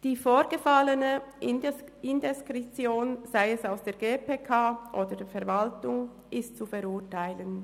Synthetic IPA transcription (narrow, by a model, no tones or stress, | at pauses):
d̥iːfoːʁɡ̥əfalənə | ɪndɛskʁit͡sjoːnz̥aɪɛsaʊsd̥eːɐɡeːpʰeːkʰaːʔoːdədfɛɐvaltʊŋ | ʔɪstt͡sufɛʁʊtaɪlən